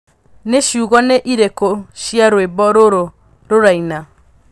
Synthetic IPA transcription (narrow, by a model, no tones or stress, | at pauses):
neʃiuɣɔneʔiɾekoʃiaɾoebɔɾoɾo | ɾoɾaina